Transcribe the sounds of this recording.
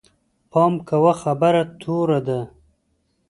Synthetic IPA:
pɑːmkawaxabaɾat̪ʰoːɾad̪a

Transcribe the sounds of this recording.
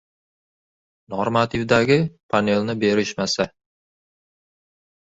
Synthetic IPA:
noɾmat̪ʰɪvd̪aɡʲɪpʰane̞lˠnɪbe̞ɾɪʃmasa

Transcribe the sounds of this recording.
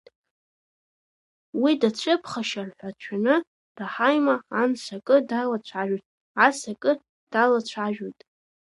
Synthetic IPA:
widat͡ɕʷʰʼɨpʰχaʃarħʷat͡ɕʷʰanɨ | raħajmaːnsakʼɨdalat͡ɕʷʰaʒᶣojtʼ | asakʼɨ | d̥alat͡ɕʷʰaʒᶣojtʼ

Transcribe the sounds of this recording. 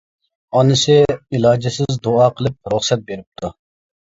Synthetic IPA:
ɑnɨsɪilˠɑːd͡ʒɪsɪzd̪oɑqʰəlˠɪp̚ɾuχsɛt̪̚beɾɪp̚t̪ʰu

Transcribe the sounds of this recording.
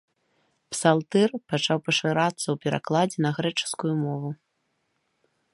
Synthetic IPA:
psalˠt̪ɛrpat͡ʂawpɐʂɨɾat̪sːɐwpʲɛɾa̰klˠad͡zʲɛnɐɣɾɛt͡ʂɨ̥skujumɔvu

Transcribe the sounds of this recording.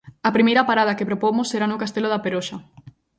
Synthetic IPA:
ɐpɾimejɾɐpaɾað̞ɐkepɾopomosːeɾanʊkast̪eloðɐpeɾoʃɐ

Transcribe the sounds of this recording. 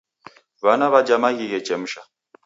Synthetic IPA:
βanaβad͡ʒamaɣiɣɛt͡ʃɛm̩ʃa

